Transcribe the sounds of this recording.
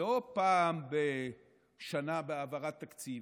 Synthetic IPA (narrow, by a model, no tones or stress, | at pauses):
opaːmbe | ʃanabeavaʁat̪ːakt͡siv